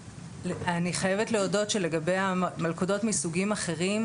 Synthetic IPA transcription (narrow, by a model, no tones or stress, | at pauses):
aniχaje̞vetle̞odo̞tʃele̞ɡabejamalkodo̞tmisuɡimaχe̞ʁim